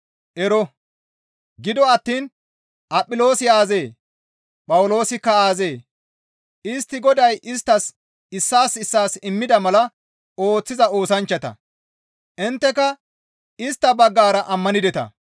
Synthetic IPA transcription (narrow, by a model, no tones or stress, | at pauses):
ʔɛɾɔ | ɡɪd̪ɔɐt̪ːiːn | ʔɐpʼːɪlo̞ːsɪjaːzeː | pʼɐwlo̞ːsɪkːɐaːze̞ː | ɪst̪ːɪɡɔd̪ɐjʔɪst̪ːɐs | ɪsːaːsɪsːaːsɪmːɪd̪ɐmɐlɐ | o̞ːt͡sːɪzɐo̞ːsɐnt͡ʃːɐt̪ɐ̰ | ʔɪnt̪ːɛkɐ | ɪst̪ːɐbɐɡːaːɾɐʔɐmːɐnɪd̪ɛt̪ɐ̰